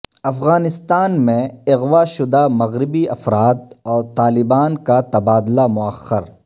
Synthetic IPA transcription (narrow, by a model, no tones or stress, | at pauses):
ɐfɣaːnɪst̪aːnmẽɪɣwaʃʊd̪amɐɣɾɪbiɐfɾaːt̪̚ɔːɾt̪aːlɪbaːnkat̪ɐbaːd̪lamʊɐxːəɾ